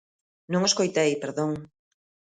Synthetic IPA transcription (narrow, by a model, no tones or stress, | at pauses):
nõŋoskojt̪ejpeɾðõŋ